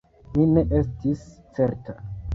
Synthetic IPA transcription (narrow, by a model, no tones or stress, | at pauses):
mine̞ʔestist͡se̞ɾta